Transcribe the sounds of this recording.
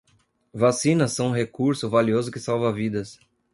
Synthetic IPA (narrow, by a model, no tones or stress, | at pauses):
vasĩnɐsːɐ̃w̃ɦekuɾsʊvaliozʊkɪsawvɐvid̪ɐs